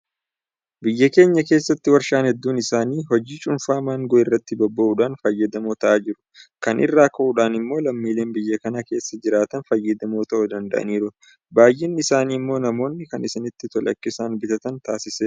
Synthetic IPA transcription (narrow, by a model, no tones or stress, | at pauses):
bɪjːɐke̞ːɲːɐke̞ːsːɐt̪ːɪwɐɾʃaːnhɛd̪ːuːnɪsaːniːɦɔd͡ʒiːt͡ʃʼʊnfaːmaːŋɡɔʔɪrːɐt̪ːɪbɔbːɐʔuːᶑaːnfɐjːɐd̪ɐmoːt̪ɐʔaːd͡ʒɪɾʊ̥ | kɐnʔɪ̰rːaːkɐʔuːᶑaːnɪmːo̞ːlɐmːiːle̞ːnbɪjːɐkɐnake̞ːsːɐd͡ʒɪɾaːt̪ɐnfɐjːɐd̪ɐmoːt̪ɐʔʊd̪ɐnd̪ɐ̰ʔɐ̰niːɾʊ | baːjʔɪnːɪɪsaːniːmːo̞ːnɐmo̞ːnːɪkɐnɪsɪnɪt̪ːɪt̪ɔlɐ̰kːɪsaːnbɪt̪ɐt̪ɐnt̪aːsɪseː